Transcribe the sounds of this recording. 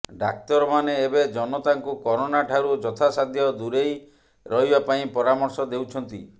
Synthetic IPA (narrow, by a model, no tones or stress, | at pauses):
ɖa̰k̚t̪ɔɾɔmaneːbed͡ʒɔnɔt̪aŋkukɔɾonaʈʰaɾud͡ʒɔt̪ʰasad̪ʱjɔd̪uɾej | ɾɔɦibapaĩpɔɾamɔɾsɔd̪ewt͡ʃʰɔnt̪ḭ